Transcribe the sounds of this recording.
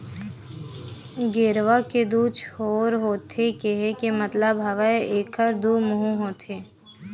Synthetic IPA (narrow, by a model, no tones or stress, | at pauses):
ɡeːɾʋaked̪uːt͡ʃʰhoːɾɦoːt̪ekeɦekemɐt̪ləbɦɐʋaeeːkʰəɾd̪uːmʊɦũɦoːt̪ʰeː